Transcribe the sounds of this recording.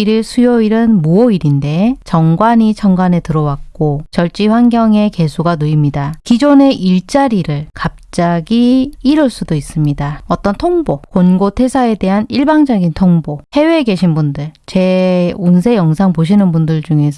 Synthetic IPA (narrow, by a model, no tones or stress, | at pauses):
iɾɯɭsʰujoiɾɯnmuʌiɾinde̞t͡ɕʌŋɡwaɲit͡ɕʰʌŋɡwane̞tɯɾʌwak̚k͈ot͡ɕʌɭt͡ɕ͈iɸwanɡjʌŋe̞ke̞sʰuɡanɯimɲidakid͡ʑone̞ʔiɭt͡ɕ͈aɾiɾɯɭkap̚t͡ɕ͈aɡiːɾɯɭs͈udois͈ɯmɲidaʌt͈ʌntʰoŋbokonɡotʰe̞sʰae̞de̞ɦaniɭbaŋd͡ʑʌɡintʰoŋbohe̞weːke̞ɕʰinbundɯɭt͡ɕe̞unsʰe̞jʌŋsʰaŋpoɕ̬ʰinɯnbundɯɭd͡ʑuŋe̞sʰ